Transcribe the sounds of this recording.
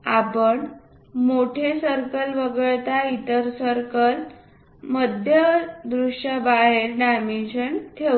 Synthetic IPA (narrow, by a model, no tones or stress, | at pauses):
apəɳ | moʈʰesəɾkəlʋəɡəɭt̪ait̪əɾsəɾkəl | məd̪ʱjəd̪ɾuʂjabaɦeɾnamiɕəɳt̪ʰe